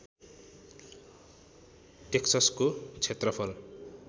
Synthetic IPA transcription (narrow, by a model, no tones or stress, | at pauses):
ʈeksʌskot͡sʰet̪rʌpʰʌl